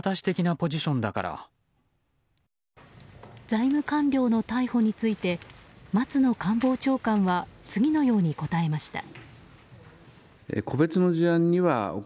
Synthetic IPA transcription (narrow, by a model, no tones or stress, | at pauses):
t̪aɕi̥t̪e̞kʲinapo̞ʑiɕõ̞nd̪aka̰ɾa̰ | d͡zaimɯ̟kãnɾʲo̞ːno̞t̪aiho̞ɲ̟it͡sɨit̪e̞mat͡sɨno̞kãmbo̞ːt͡ɕo̞ːkãɰ̃βat͡sɨɡʲino̞jo̞ːɲ̟iko̞t̪ae̞maɕi̥t̪a̰ | ḛkʰo̞be̞t͡sɨno̞ʑiãɲ̟ːiβao